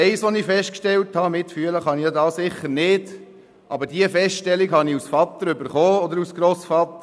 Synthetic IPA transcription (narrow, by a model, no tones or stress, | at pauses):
ɛɪsʋɔnifɛst̚kʃtɛlthɑmɪtfyələχɑnijad̪ɑːsɪχːəɾnɪd̥ | ʔɑbəɾdiəfɛstʃtɛlːiɡhɑniusfɑt̪ːəɾʏbəɾχoːɔd̪əɾusɡ̥ɾɔsfɑt̪ːə